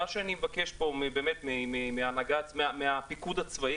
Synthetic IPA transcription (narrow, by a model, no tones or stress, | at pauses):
aʃeanimevakeʃpo̞mebe̞ːmet̪mememeanaɡamemeapikud̪at͡svai